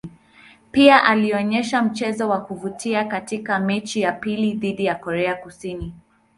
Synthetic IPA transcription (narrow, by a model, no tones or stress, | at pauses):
piaʔaliɔɲɛʃam̩t͡ʃɛzɔwakuvutʰiakatikamɛt͡ʃijapiliðiɗijakɔɾɛakusini